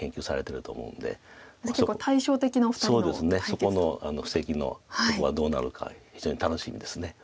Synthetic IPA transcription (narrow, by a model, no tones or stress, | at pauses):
kẽ̞ŋkʲɨːsaɾe̞t̪e̞ɾɯ̟t̪o̞ːmo̞̰ɯ̟̃nd̪e̞̰keokːot̪ʰaiɕo̞ːt̪e̞kʲinafɯ̥soːd̪d̪e̞sɨne̞so̞ko̞no̞ano̞ɸɯ̟̥se̞kʲino̞̰asokoβad̪o̞ːna̰ɾɯ̟kʰa̰çi̥ʑo̞ːɲit̪ano̞ɕimʲḭd̪e̞sɨne̞